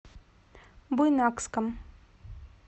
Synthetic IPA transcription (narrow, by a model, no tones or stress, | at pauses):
bujnɑkskəm